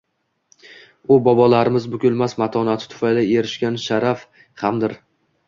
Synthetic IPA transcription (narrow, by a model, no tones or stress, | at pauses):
ʊbɒbɒlaɾɪmɪzbʊɡʲʊlˠmasmat̪ʰɒnat̪ʰɪ̥t̪ʰʊ̥fajlaeɾɪʃkʲanʃaɾaf | hamd̪ɪɾ